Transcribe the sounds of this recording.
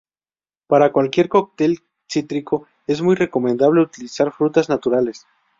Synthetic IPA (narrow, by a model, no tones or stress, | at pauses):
paɾakwalkje̞ɾko̞k̚t̪e̞l | sit̪ɾikʰo̞ | e̞zmujre̞ko̞mẽ̞nd̪aβ̞le̞ut̪ilisaɾfɾut̪aznat̪uɾale̞s